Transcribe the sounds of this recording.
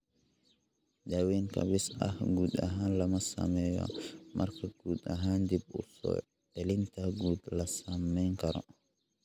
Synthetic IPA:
dawinka̰bisa̰hɡudaɦanlamasa̰mɛjɔ̰mʔa̰ɾkaɡ̥udaɦandibṵɾfɔ̰ | ɛlintaɡud̪lasamːɛŋkaɾɔ̰

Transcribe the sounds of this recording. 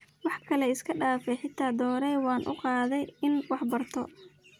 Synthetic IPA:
wɑħkʰɐlɛɪskʰɐɖaːfɛjħɪt̪ʰaːd̪ɔːɾɛjwɑːnʔʊ̰qɑːðɛjɪnwɑħbɐrt̪ʰɔ

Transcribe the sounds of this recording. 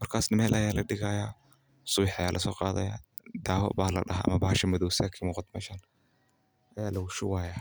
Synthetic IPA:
mɐrkʰaːsnɐmɛːlʔɐjaːlɐɖɪɣɐjaː | sʊβɪħɐjaːlʔɐsɔːqɑːðɐja̰ː | d̪aːwɐ̰ʔbaːlɐ̰ɖɐɦa̰ːɐ̰mɐbaːhɐʃɐmɔðɔwsɛːkʰɐmuːqɑd̪mɛːʃɐn | ʔɐjaːlɐwʊʃʊwaːjaː

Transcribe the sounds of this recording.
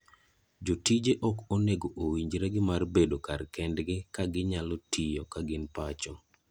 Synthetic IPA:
d͡ʒotid͡ʒeʔɔkoneɡoʔowiɲd͡ʒɾɛɡɪmarbedokarkɛndɡɪkaɡɪɲalɔtʰijɔkaɡɪnpat͡ʃɔ

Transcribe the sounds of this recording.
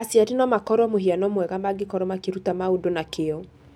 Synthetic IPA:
asiaɾinɔmakɔɾɔmoɦianɔmwɛɣamaɡekɔɾɔmakeɾutamaudonakʰeɔ

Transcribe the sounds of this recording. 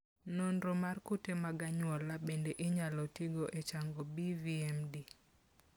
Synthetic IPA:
nondɾomarkutemaɡaɲwɔlabendeʔɪɲalɔtiɡoʔet͡ʃaŋɡobiviɛmdi

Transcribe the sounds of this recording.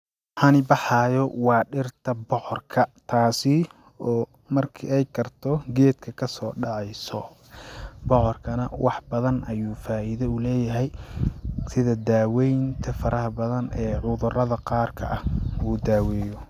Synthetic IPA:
hɐnɪbɑħɑːjɔwɑːɖɪrt̪ʰɐbɔħɔrkʰɐt̪ʰaːsɪ | ɔː | mɐrkʰɪɛjkʰɐrt̪ʰɔɡɛːd̪̚kʰɐkʰɐsɔːɖɑʕɑjsɔ | bɔʕɔrkʰɐnɐ̰wʔɑħbɐðɐnʔɐjuːfaːʔɪðɛʊlɛːjɐɦɛj | sɪðɐd̪aːwɛjnt̪ʰɐfɐɾʔɐɦɐbɐðɐnɛːʕʊðʊrɐðɐqɑːrkʰɐ̰ʔɐhuːd̪aːwɛːjɔ

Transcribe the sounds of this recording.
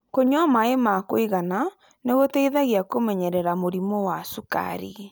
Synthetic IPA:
koɲɔmaemakoiɣana | neɣotɛiðaɣiakomɛɲɛɾɛɾamoɾimowasuka̰ɾi

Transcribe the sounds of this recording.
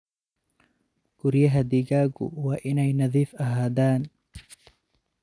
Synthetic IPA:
ɡ̥ʊɾjɐɦɐd̪ɪɣaːɡʊ̰wɑːʔɪnɛjnɐðiːfɐɦaːdaːn

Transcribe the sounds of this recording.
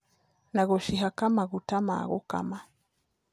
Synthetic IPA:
naɣɔʃiɦakamaɣutama̰ɣɔ̰ka̰ma

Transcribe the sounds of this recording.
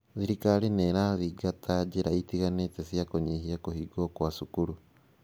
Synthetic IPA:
siɾikalineɾaðiɡatʰad͡ʒeɾaitiɣanetesjakoɲehiakohiɡokwasukuɾu

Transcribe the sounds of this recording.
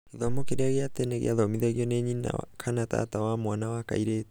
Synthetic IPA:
iðomokeɾiaɣiat̪eneɣḭaðomiðeɣioneɲina̰a̰kʰanat̪a̰t̪awamoanawaka̰iɾe

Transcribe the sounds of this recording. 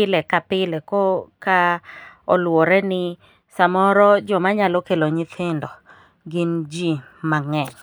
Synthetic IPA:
ɪlɛkapɪlɛkɔkaɔ̰lwɔɾɛnɪ | samɔɾɔd͡ʒɔmaɲalɔkeloɲɪt̪ʰɪndɔ | ɡɪnd͡ʒi | maŋɛɲ

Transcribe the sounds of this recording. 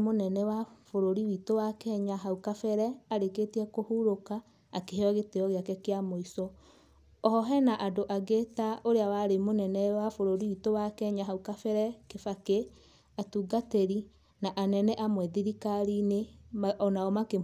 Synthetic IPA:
monɛnɛwafoɾoɾiwitowakɛɲaɦaukafɛɾɛaɾeketiɛkohuɾokaː | keɦeɔɣetɛɔɣeakɛkeamoisɔ | ɔhɔɦɛnaʔadoʔaɡetaoɾeawaɾemonɛnɛwafoɾoɾiwitowakɛɲaɦaukafɛɾɛkefake | atuːɡateɾi | naʔanɛnɛʔamwɛðiɾikaɾineɔnaɔmake

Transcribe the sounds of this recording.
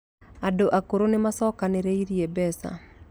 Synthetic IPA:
adoʔakoɾonemasɔːkaneɾeiɾiebɛsa̰

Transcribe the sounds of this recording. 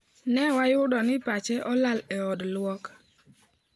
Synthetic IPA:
nɛwajʊdɔnɪpat͡ʃɛʔɔlalɛɔdlwɔk

